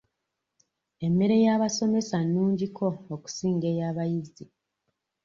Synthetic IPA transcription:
e̞mːe̞ɾe̞jaːβaso̞me̞sanːuːɲɟikʰo̞ːku̥siːŋɡe̞jaːβajizi

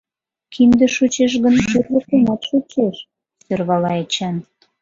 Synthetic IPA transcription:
kʰind̪ĕʃut͡ɕeʃ̬ɣə̆nʃyrləkumɑt̪ʃut͡ɕeʃ | sørβɑlɑet͡ɕɑn

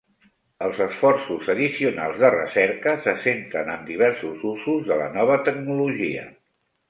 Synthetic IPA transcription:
əlˠzəsfɔrsuzəðisiuna̰lˠzðərə̰sɛɾkəsəsent̪ɾənənd̪iβ̞ɛɾsuzuzuzðələ̰nɔβ̞ət̪əɡnuluʒiə̰

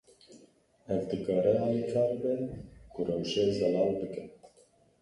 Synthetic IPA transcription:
ɛvd̪ɨkɑːɾɛɑːlikʰɑːɾbɛkʰʊrɛwʒezɛlɑːlbɨkɨn

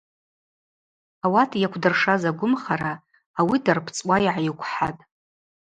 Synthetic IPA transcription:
awatʰjakʷʰdɨrʂazaɡʷʊmχaɾaː | widarpʰt͡sʼwʷajʕajikʷʰħa̰tʼ

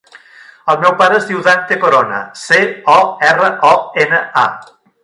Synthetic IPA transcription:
əlˠmɛwpaɾəːzðiwðant̪ekoɾonə̰seɔɛrəʔɔenəa̰

